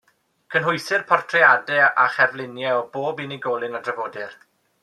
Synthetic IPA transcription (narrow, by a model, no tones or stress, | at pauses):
kʰənɦʊjsɪrpʰɔrtʰrɛadɛaχɛvlˠɪnjɛɔboːbiniɡɔlˠɪnadrəvoːdɪr